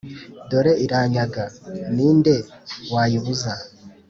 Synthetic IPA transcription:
do̞ɾe̞iɾaːɲaɡaniːnde̞waːjiβuza

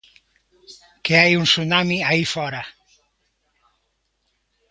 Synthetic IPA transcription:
keajunsunamiaifɔɾa

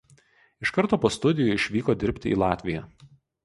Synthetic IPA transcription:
ɪʃkɐɾt̪oːpoːst̪ʊd̪ʲɪjʊɪʃʲʋʲiːkoːd̪ʲɪɾʲpʲt̪ʲɪiːlˠɑːt̪ʲʋʲɪjɛ

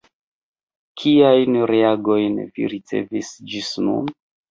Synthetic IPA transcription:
kʰiajnɾeaɡo̞jnvḭɾit͡se̞̰visd͡ʒisnṵn

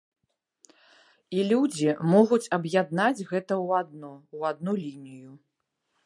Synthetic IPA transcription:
ilʲud͡zʲimɔɣut͡sʲɐbjad̪nad͡zʲɣɛt̪ɐwad̪nɔwad̪̚nulʲinʲiju

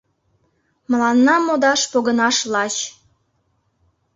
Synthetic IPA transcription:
məlɑnːɑmod̪ɑʃpoɣənɑʃlɑt͡ɕ

